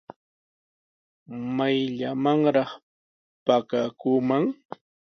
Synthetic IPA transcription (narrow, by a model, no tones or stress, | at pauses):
majʎamaŋɾɑχ | pakakuːmaŋ